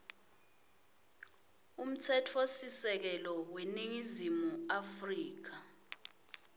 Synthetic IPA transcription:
um̩tʰɛtʰosisɛk̬ɛlɔweniŋizimuafriːk̬a

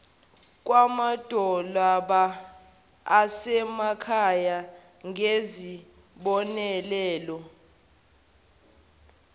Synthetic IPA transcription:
k̬ʼwamad̥ʱɔlaɓaː | sɛmakʰaja | ŋʱezi | ɓɔnɛlɛːlɔ

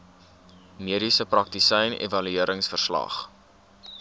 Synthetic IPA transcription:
miəɾisəprɐk̚tisɛjnḛvɐlyiəɾəŋsfərslɐ̰χ

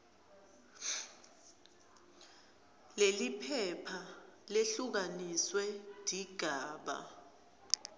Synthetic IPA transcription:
lelipʰɛpʰaleɬuk̬aniswɛd̥ʱiɡ̥ʱaːɓa̰

